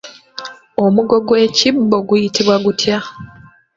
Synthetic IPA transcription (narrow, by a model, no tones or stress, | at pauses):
o̞muɡo̞ɡwe̞ːcibːo̞ɡujitiβwaɡutʰja